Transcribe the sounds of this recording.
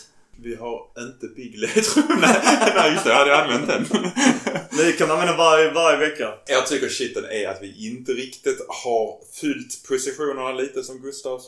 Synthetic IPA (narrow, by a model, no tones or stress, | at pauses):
vɪɦaɾɪnt̪əbɪɡlɪt̪ʰɾuːnænæɪjʏst̪had̪əjaanvɛnt̪̚d̪ɛnː | mkʰanmanvɛːnavaɾjəvaɾjəvɛkːajɑɡ̚t̪ʰʏkːəɾʂɪt̪ːənæɾa̰t̪vɪʔɪnt̪əɾɪkt̪ɪt̪haɾfʉlt̪pʰʊsɪɧuːnəɳaliːt̪əsɔmɡɵst̪ɑːv